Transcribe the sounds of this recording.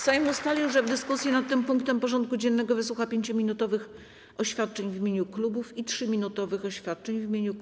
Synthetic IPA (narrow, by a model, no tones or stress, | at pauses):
sajmust̪alʲiʐɛvd̪ɘskusʲjɛnat̪ːɘmpuŋkt̪ɛmpɔʐɔnt̪̚kud͡ʑɛnːɛɡɔvɘswuxapʲjeɲt͡ɕɔmʲinut̪ɔvɘx | ɔɕfʲjat̪̚t͡ʂɛɲvimʲeɲuklubufitʂɘmʲinut̪ɔvɘxɔɕfʲjat̪̚t͡ʂɛɲvimʲjeɲu